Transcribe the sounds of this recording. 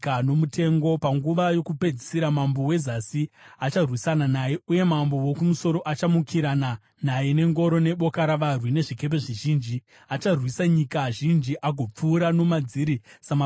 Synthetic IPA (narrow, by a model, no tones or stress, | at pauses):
ano̞mutʰe̞ŋɡo̞paŋɡuʋajo̞kupe̞d͡zisiɾamambo̞we̞zasiat͡ʃarwisananajeuje̞mambo̞wokumuso̞ɾo̞ʔat͡ʃamukʰiɾana | najene̞ŋɡo̞ɾo̞ne̞ɓo̞kaɾaʋarwine̞ʐike̞p̬e̞ʐiʒiːnd͡ʒi | at͡ʃarwisaɲikaʒind͡ʒiʔaɡʱo̞p͡fuːɾano̞mad͡ziɾisama